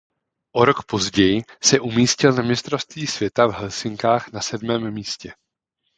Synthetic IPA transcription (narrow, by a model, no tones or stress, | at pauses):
ʔo̞ɾo̞kpo̞zɟɛjɪsɛʔumiːscɪlnamɲɪst̪ɾofst̪viːsv̥jɛt̪avɦɛlsɪŋkaːxnasɛdmɛːmːiːscɛ